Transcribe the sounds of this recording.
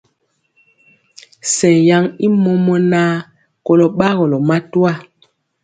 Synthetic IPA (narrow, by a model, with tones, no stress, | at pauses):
sɛ˨ja˦ŋi˦mɔ˦mɔ˦naː˦ | kɔ˨lɔ˨ɓa˦ɣɔ˨lɔ˨ma˦tu˦a˦˨